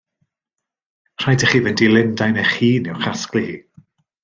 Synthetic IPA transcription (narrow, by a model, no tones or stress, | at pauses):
r̥ajdəχiːvɛndilˠɪndajnɛχiːniwχasklihiː